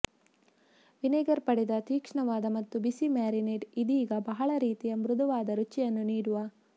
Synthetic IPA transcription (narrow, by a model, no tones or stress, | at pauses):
ʋineːɡɐɾpɐɽid̪ɐt̪iːkʂɐɳɐʋaːd̪ɐmɐt̪ːubisimaːɾineɖid̪iːɡɐbɐɦɐɭɐɾiːt̪ijɐmɾud̪ʱɐʋaːd̪ɐɾut͡ʃijɐnːuniːɽuʋɐ